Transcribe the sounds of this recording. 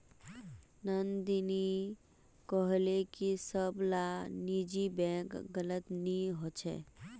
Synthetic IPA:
nənd̪ini | kɔɦlekisəblanid͡ʒibɛ̃kɡələt̪niɦot͡ʃʰɛ̰

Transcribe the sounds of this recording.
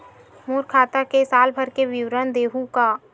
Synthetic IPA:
muːɾkʰaːt̪akesaːlbʱəɾkeʋɪwɾənd̪eːɦukaː

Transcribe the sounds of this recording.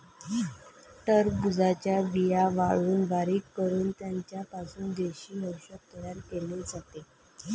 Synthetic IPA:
t̪əɾbud͡zat͡ɕjabijaʋaɭuːnbaɾikːəɾuːnt̪jaɲt͡ɕjapasuːnd̪eɕiːɦəwɕək̚t̪əjaɾkeled͡zat̪e

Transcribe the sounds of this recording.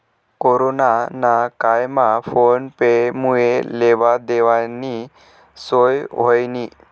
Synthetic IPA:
koɾonanakajmafonpemueleʋad̪eʋani | sojɦojni

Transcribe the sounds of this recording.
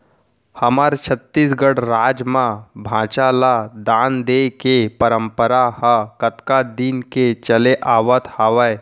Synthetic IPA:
həmaɾt͡ʃʰət̪ːiːsɡəɽɾad͡ʒmabʱãt͡ʃalad̪and̪ekepəɾəmpəɾahəkət̪kad̪iːnket͡ʃəleʔaʋət̪haʋəj

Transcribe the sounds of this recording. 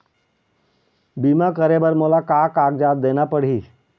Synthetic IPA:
biːmãkəɾebəɾmoːlakaːkaːɡd͡ʒaːd̪̚ːeːnapəɽ̤iː

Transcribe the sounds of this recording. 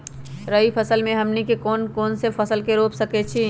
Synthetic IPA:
ɾəɦipʰəsəlmẽɦəmnikekoːnkoːnsepʰəsəlkeɾopsəkɛt͡ʃʰi

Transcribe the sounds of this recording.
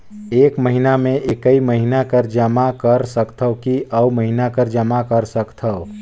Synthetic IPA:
eːkməɦinamẽʔekəiməɦinakəɾd͡ʒəmakəɾsəkt̪ʰəʊkiʔəuməɦinakəɾd͡ʒəmakəɾsəkt̪ʰəʊ

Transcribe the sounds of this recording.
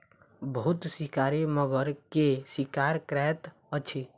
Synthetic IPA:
bəɦut̪sikaɾeməɡəɾkesikaɾkɾɛt̪ | ət͡ʃʰi

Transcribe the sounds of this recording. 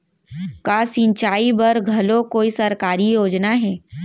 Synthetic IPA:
kaːsĩnt͡ʃaːibɐɾɡʱɐlõkoːisɐɾkaːɾijoːd͡ʒnaɦɛː

